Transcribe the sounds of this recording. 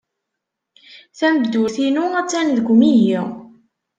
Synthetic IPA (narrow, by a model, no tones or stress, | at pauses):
θæmbd̪uθinuæt͡sːænðɡʷmiji